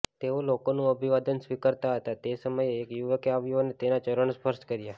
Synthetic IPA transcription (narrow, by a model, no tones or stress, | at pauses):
t̪eolokonũəbʱiʋad̪ənsʋikəɾt̪aɦət̪at̪esəməjeːkjuʋəkeaʋjuonet̪enat͡ʃəɾəɳ̃spəɾʃkəɾja